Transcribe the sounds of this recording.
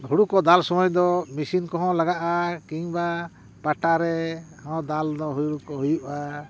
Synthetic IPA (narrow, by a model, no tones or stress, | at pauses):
ɦuɽuʔkɔd̪alsɔmɔjd̪ɔmisinkɔɦɔ̃laɡaʔakiŋba | paʈaɾɛhɔ̃d̪ald̪ɔɦujuɽukɔɦujuʔa